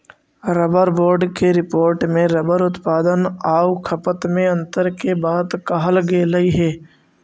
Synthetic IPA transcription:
ɾəbəɾboːɾɖkeɾɪpoːɾʈmẽɾəbəɾʊt̪paːd̪ənaːukʰəpət̪mẽɐ̃nt̪əɾkebaːd̪kɐɦəlɡeːləiɦɛː

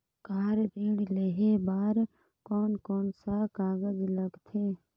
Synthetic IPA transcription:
kaːɾd̪ĩːɽleɦebaːɾ | kɔːnkɔːnsakaːɡəd͡ʒləɡt̪ʰeː

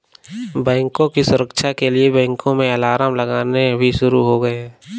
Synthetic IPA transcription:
bɛ̃ːŋkõkisʊɾəkʃakeliebɛ̃ːŋkõmẽɐlaːɾaːmlɐɡaːnebʱiʃʊɾuɦoɡɐeɦɛː

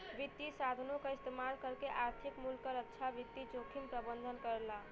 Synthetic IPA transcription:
ʋit̪ːisad̪ʱənokeist̪emalkəɾkeʔaɾt̪ʰikmulkəɾətːʃʰaʋit̪ːid͡ʒokʰimpɾəbənd̪ʱənkəɾla

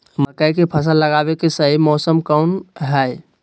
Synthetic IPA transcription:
məkəjkepʰəs̬ələɡabekesəɦimɔsəmkəunɦɛj

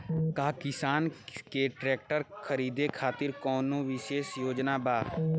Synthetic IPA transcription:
kaːkɪsaːnkeʈɾɛːk̚ʈəɾkʰəɾiːd̪ekʰaːt̪ɪɾkɔːnõːʋɪʃeːsjoːd͡ʒnaːbaː

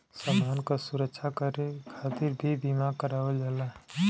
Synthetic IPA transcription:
sədankasuɾəkʃʰakəɾekʰat̪iɾbʱibimakəɾaʋəld͡ʒalaɦ

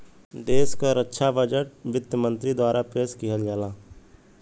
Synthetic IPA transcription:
d̪eːskaɾətːʃʰabəd͡ʒəʈʋɪd̪jəmə̃nt̪ɾid̪waːɾapeːskiɦəlɡɛːlaː

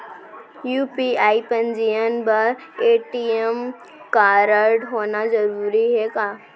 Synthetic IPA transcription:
juːpiaːipɐ̃ɲd͡ʒijənbɐɾ | eːʈiem | kaːɾəɾɖɦoːnad͡ʒɐɾuːɾiɦɛkaː

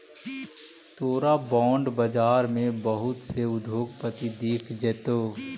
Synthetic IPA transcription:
t̪oːɾabɔ̃ːɳɖbəd͡ʒaːɾmẽbəɦʊt̪seʊd̪ʱoːɡpət̪id̪iːkʰd͡ʒɛːt̪oː

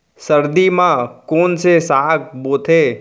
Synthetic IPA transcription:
səɾd̪imãkoːnsesaːk̚boːt̪ʰe

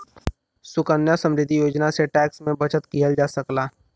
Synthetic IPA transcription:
sʊkənjasə̃mɾɪd̪ʱːijoːd͡ʒnaseʈɛːksmẽbɐt͡ʃət̪kijəld͡ʒaːsəklaː

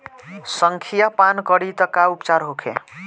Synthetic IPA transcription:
sʌŋkʰijapankʌɽit̪ʌkaupt͡saɾɦokʰḛ

